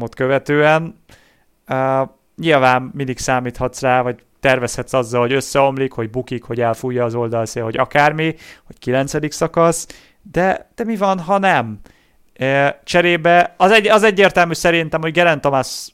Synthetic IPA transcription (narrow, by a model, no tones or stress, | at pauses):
mot̪køvɛt̪øːɛn | ø | ɲilvaːmmind̪iksaːmiːt̪hɒt̪sraːvɒc̚ | t̪ɛrvɛshɛt̪sɒzːɒlho̞ɟø̞sːɛo̞mlikho̞ɟ̚bukikho̞ɟɛlfujːɒːzo̞ld̪ɒlseːlho̞ɟɒkaːrmiho̞ckilɛnt̪sɛd̪iksɒkɒs | d̪ɛd̪̥ɛmivɒnɦɒnɛm | t͡ʃɛɾeːbɛɒzɛɒzɛɟːeːrt̪ɛlmyːsɛɾint̪ɛmho̞ɟɡɛɾɛnt̪omas